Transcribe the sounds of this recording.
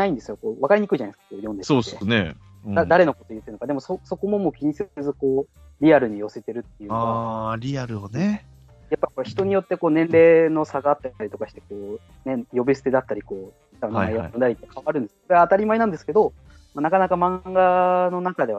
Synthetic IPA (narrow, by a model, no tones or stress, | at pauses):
aĩnd̪e̞sɨjo̞koːβakaɾʲiɲ̟ikɯiʑanaiskḁkoːjõ̞nd̪esoːenḛ̃ | ad̪aɾe̞no̞ko̞t̪o̞jɯ̟t̪ːeɾɯnokad̪e̞mo̞soso̞ko̞mo̞mo̞ːkʲiɲ̟isɨezɨko̞ː | ɾʲiaɾɯ̟ɲ̟ijo̞se̞t̪e̞ɾɯ̟t̪ːe̞jɯaaɾʲiaɾɯ̟one | japːaikoçi̥t̪o̞ɲ̟ijo̞t̪ːe̞ko̞ːnẽ̞nɾe̞ːno̞saɡaːt̪ːaaɾit̪o̞kaɕi̥t̪e̞ko̞ː | nejo̞bʲisɨ̥t̪e̞d̪at̪ːaɾʲiko̞ː | tanajjõnd̪aɾit̪ːekʰaβaɾɯ̃nd̪esɨ̥koɾe̞aːt̪aɾʲimaenãnd̪e̞sɨ̥ke̞d̪o̞ | manakanakamãɡano̞nakad̪e̞βa